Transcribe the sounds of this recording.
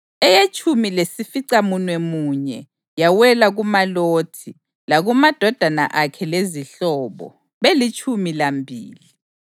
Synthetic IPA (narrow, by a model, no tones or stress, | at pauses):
ɛjet͡ʃʼʰumilesifiǀamunwɛmuːɲɛ | jawɛlaɣumaloːtʰi | laɣumad̥ʱɔd̥ʱana̰ʔakʰɛleziɬɔːβɔ̰ | βelit͡ʃʼʰumilambʱḭːli